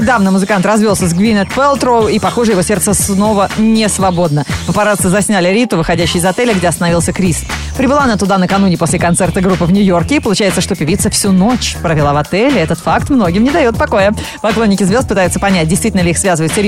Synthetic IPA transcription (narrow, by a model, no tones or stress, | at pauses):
d̪avnəmʊzɨkant̪rɐzvʲolˠsʲəzɡvʲinʲət̪pɛlˠt̪ɾoʊipɐxoʐɨjɪvo̞sʲe̞rt̪səsno̞vənʲɪsvɐbo̞d̪nəpəpɐɾat̪səzɐsʲnʲælʲɪɾʲit̪ʊvɨxɐdʲæɕːɪjɪzɐt̪ɛlʲəɡdʲeɐst̪ənɐvilˠsʲəkɾʲis | pɾʲɪbɨlˠaɐnat̪ʊd̪anəkɐnunʲɪpo̞sʲlʲɪkɐnt̪sɛrt̪əɡɾupːɨvnʲʊjo̞rkʲɪipəlˠʊt͡ɕæjɪt̪səʂt̪opʲɪvʲit̪səfsʲuno̞t͡ɕpɾəvʲɪlˠavɐt̪ɛlʲɛt̪ət̪fakt̪mno̞ɡʲɪmnʲɪd̪ɐjo̞t̪̚pɐko̞jə | pɐklˠo̞nʲːɪkʲɪzvʲot̪pɨt̪ajʊt̪sə̥pɐnʲæt̚ʲdʲɪjst̪vitʲɪlnəlʲɪixsvʲazəvəɪt̪sʲɪɾʲ